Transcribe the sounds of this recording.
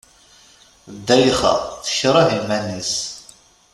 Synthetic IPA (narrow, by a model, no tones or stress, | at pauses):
d̪ːæjχɑ̰θə̥çɾˤɑðilmænis